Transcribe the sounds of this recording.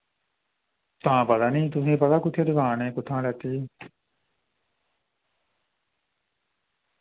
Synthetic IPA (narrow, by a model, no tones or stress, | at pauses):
t̪ãːpət̪aːnĩːt̪̬ʊsẽːpət̪aːkʊt̪ʰːeːd̪əɡaːnɛ̃ːkʊt̪ʰːãːlɛːt̪iː